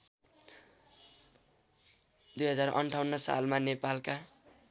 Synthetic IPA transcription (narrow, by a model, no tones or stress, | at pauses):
d̪ujɦʌd͡zarʔʌ̰ɳʈʰawnːʌsa̰lmanepalka